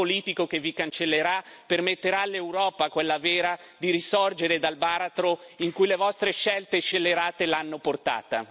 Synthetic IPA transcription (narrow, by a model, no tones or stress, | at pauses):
oliːt̪ikok̟evikant͡ʃelːeɾapermet̪ːeɾalːewɾɔːpakwelːaveːɾa | d̪iɾisɔrd͡ʒeɾed̪albaːɾat̪ɾoiŋkujlevɔst̪ɾeʃɛlt̪eʃelːeɾaːt̪elanːoport̪a̰ːt̪a